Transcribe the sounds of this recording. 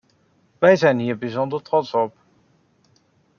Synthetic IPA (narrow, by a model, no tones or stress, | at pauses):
ʋɛjzɛjnɦiːɹbizɔndəɹtrɔtsɔp